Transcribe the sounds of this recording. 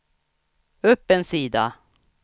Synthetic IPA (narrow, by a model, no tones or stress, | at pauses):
ɵpːɛnsiːd̪a̰